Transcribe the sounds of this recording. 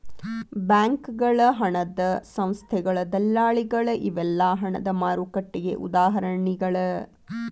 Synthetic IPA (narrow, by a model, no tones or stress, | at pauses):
bjaːŋkɡɐɭɐɦɐɳɐd̪ɐsɐ̃w̃st̪ʰɛɡɐɭɐd̪ɐlːaːɭiɡɐɭɐʔiʋɛlːaːɦɐɳɐd̪ɐmaːɾukɐʈːiɡḛʔṵd̪aːɦɐɾɐɳiɡɐɭɐ